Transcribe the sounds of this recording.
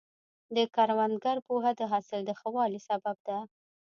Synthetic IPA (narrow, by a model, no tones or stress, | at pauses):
d̪əkaɾwand̪ɡaɾpoɦad̪əɦɑsɪld̪əxawɑlisabab̚d̪a